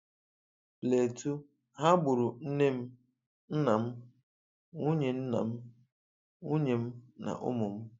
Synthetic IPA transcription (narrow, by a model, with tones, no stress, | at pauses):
le˨tu˦ | ɦa˦ɡ͡bʊ˨ɾʊ˨n̩˦ne˦m̩˦ | n̩˦na˨m̩˦ | ŋu˦ɲe˨n̩˦na̰˨m̩˦ | ŋu˦ɲe˨m̩˦na̰˨ʔʊ̰˦mʊ˨m̩˦